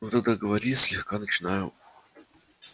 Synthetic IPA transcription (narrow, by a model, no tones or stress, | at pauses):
ut̪əd̪əɡəvɐɾʲisʲlʲɪxkanət͡ɕɪnajʊ